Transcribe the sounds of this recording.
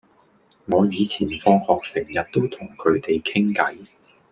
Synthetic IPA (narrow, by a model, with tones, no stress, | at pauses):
ŋɔː˨˧jiː˨˧t͡sʰiː˨˩nfɔː˧ŋhɔː˨k̚sɪ˨˩ŋjɐ˨t̚t̪o˥wt̪ʰʊ˨˩ŋkʰɵ˨˧ɥt̪e˨jkʰɪ˥ŋkɐ˨˥j